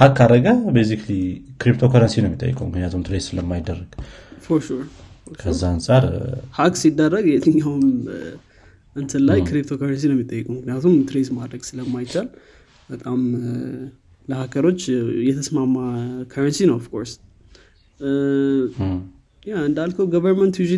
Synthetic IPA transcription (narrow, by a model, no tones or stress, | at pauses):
hakːad̪əɡabejsikʰlikɾip̚t̪ʰo̞kʰaɾənsinəmit̪ʼə̰jːɨ̰kʼṵmɨknijat̪ʰumt̪ʰɾezsɨləmːajd̪ːərːəɡ̥foɾʃuɾ | okʰəzːaansʼaɾhaksid̪ːərːəɡɛt̪ɨɲːawm | ɨnt̪ʰɨlːajkʰɾip̚t̪ʰo̞kʰaɾəns̬inəmːit̪ʼːəjːəkʼuwmɨknijat̪ʰumt̪ʰɨɾezmad̪ɾəɡsɨləmːajt͡ʃal | bət̪ʼam | ləhakʰəɾo̞t͡ʃːjɛt̪ʰəsmamakʰaɾənsinəwɔfkʰo̞ɾs | jaɨnd̪alkʰəwɡəvəɾmənt̪jud͡ʒi